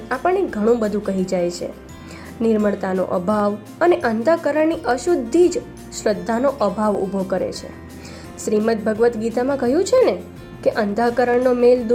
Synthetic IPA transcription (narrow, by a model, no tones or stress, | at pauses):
apəɳːeɡʱəɽ̃ũbəd̪ʱũkəɦid͡ʒajt͡ʃʰḛ | nɪɾməɭt̪ano̰ʔə̰bʱaʋ | əneʔənd̪ʱakəɾəɳniʔəʃud̪ʱːid͡ʒ | ʃɾəd̪ʱːanoʔəbʱaʋṵbʱokəɾḛt͡ʃʰḛ | ʃɾimət̪̚bʱəɡʋət̪ɡit̪amãkəɦjũt͡ʃʰene | keʔənd̪ʱakəɾəɳnomeld̪